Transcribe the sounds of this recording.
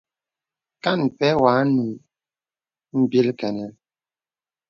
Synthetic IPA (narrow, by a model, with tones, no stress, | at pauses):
ka˦˨n˨pɛ˦waː˨˦nu˨ | m̩˦bji˦lkɛ˨nɛ˨l